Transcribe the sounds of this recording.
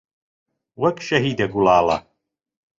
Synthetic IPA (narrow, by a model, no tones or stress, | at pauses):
wɐkʰʼʃɐɦiːd̪ɐɡulaːla̰